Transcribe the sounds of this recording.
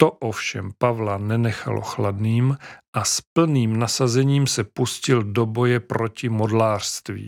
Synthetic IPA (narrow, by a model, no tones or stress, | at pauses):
t̪oʔofʃɛ̰mpavlanɛnɛxa̰lo̞̰xladniːmʔaspl̩niːmnasazɛɲiːmsɛpuscɪldobo̞jɛpɾo̞cɪmo̞dlaːr̥st̪vḭː